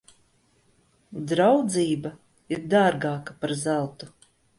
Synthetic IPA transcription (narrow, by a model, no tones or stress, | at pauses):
d̪ɾawd̪ziːba | iɾd̪aːɾɡaːkapaɾzalˠt̪u